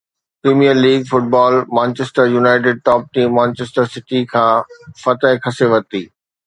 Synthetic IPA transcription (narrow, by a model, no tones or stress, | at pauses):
pɾeːmijəɾliːɡfʊʈ̚baːlmãːnt͡ɕesʈəɾjunaːɪʈ̬ɪɖ̚ʈɔːp̚ʈiːmːãːnt͡ɕeːsʈəɾsɪʈikʰãːfɐt̪əɦɪkʰɐseʋɐt̪iː